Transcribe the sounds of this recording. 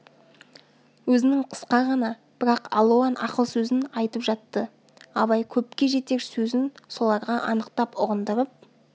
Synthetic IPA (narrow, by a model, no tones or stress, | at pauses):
wɵzɪnɪŋqʰə̥sqɑʁɑnɑ | b̥ɪɾɑqɑ̰lˠoanɑ̰qəlˠsɵzɪnɑjt̪əpʒɑt̪ːə | ɑβɑjkʲʰɵpkʲe̞ʒe̞t̪e̞ɾsɵzɪnso̞lˠɑɾʁɑʔɑnəqt̪ɑpʊʁənd̪əɾəp̚